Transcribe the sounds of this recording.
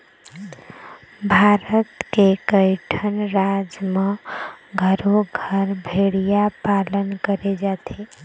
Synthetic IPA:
bʱaɾət̪kekəɪʈʰənɾad͡ʒmə̃ɡʱəɾoɡʱəɾbʱeɽijapalənkəɾed͡ʒat̪ʰe

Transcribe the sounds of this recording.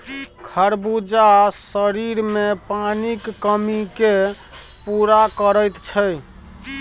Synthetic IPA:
kʰəɾbud͡ʒasəɾiɾmepanikːəmike | puɾakəɾəjt̪t͡ʃʰə

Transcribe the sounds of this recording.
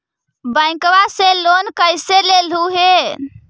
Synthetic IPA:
bə̃ɪ̃kʋaselonkəjselelɦuɦe

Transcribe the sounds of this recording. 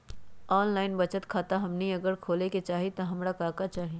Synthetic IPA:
ɔːnlaːɪnbɐt͡ʃət̪kʰaːt̪aɦɐmniɐɡəɾkʰoːleket͡ʃaːɦet̪oɦɐmɾakaːkat͡ʃaːɦe

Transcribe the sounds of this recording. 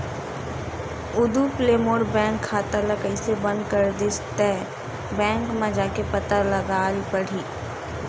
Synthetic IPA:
ʊd̪upleːmoːɾbɛ̃ːŋkʰːaːt̪alɐkəisebə̃nd̪kəɾd̪ɪst̪ɛ | bɛ̃ːŋkmãd͡ʒaːkepɐt̪əɾlɐɡaːɾipɐɽ̤iː

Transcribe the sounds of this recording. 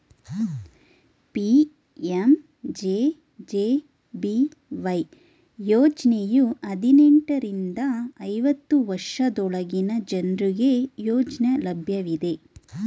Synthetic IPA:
pi | em | d͡ʒeː | d͡ʒeː | bi | ʋɐj | joːt͡ʃnejuɐd̪ineɳʈɐɾind̪ɐːjʋɐt̪ːuʋɐɾʂɐd̪ɔɭɐɡinɐd͡ʒɐnɾuɡe̞joːt͡ʃnɐlɐbʱjɐʋid̪e̞

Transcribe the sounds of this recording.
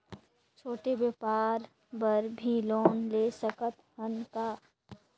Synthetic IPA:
t͡ʃʰoːʈebjepaːɾ | bəɾbʱiloːnlesəkət̪ɦənkaː

